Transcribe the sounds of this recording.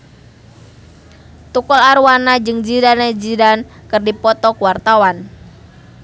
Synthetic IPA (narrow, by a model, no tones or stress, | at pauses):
t̪ukɔlaɾuwanad͡ʒɨŋd͡ʒidaned͡ʒidan | kɨrdipɔt̪ɔkuwart̪awan